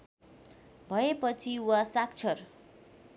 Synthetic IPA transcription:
bʱʌepʌt͡sʰiwasak̚t͡sʰʌr

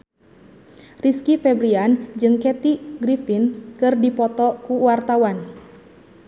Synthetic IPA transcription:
riskifɛbɾiand͡ʒɨŋkɛt̪iɡɾifinkɨrdipɔt̪ɔkuwart̪awan

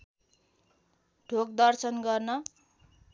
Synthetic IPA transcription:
ɖʱok̚d̪ʌrsʌnɡʌrnʌ

